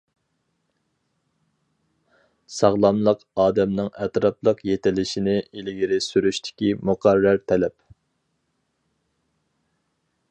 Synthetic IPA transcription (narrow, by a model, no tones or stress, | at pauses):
sɑʁlˠɑmlˠəqɑːd̪ɛmnɨŋɛt̪ɾɑplˠəqjet̪ɪlɪʃinɪilɪɡʲiɾɪsyɾyʃt̪ʰɪ̥kʲimuqʰæɾːæɾt̪ʰɛlɛp